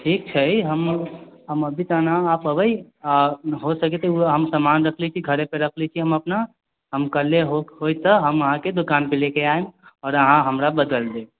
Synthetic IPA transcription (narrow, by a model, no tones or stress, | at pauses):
ʈʰik̚t͡ʃʰəiɦəmɦəməbʱit̪ənaːpəbəj | ɦosəkɛt̪euɦəmsəmanɾəkʰlit͡ʃʰiɡʱəɾepeɾəkʰlɛt͡ʃʰiɦəməpna | ɦəmkəɾleɦoɦojt̪əɦəməɦãked̪ukanpelekeaemɔːɾəɦãɦəmɾabəd̪əld̪e